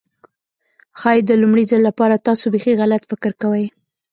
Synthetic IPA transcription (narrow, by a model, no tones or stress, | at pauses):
xɑjed̪əlumɽizalːapɑɾat̪ɑsobexeɣalat̪fɪkɪɾkawəj